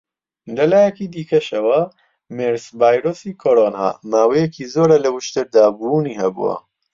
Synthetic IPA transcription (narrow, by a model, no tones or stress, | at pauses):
d̪ɐlaːjɛkiːd̪iːkɐʃɐwɐ | meɾsvaːjɾoːsiːkʰoɾoːna̰ːmaːwɛjɛkiːzoːɾalɐwʊʃt̪ɨɾd̪aːbuuniːhɐbṵwɐ̰